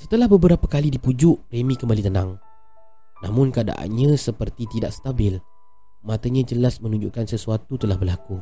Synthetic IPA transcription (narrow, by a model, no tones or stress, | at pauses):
sət̪əlahbəbəɾapakalidipud͡ʒʊʔremĩkəmbalit̪ənã̰ŋ | nã̰mʊ̃nkəada̰ʔa̰nɲãsəpərt̪it̪idaʔsə̥t̪abɪl | mãt̪aɲãd͡ʒəlasmə̃nũɲd͡ʒṵʔkansəsuat̪ut̪əlahbərlaku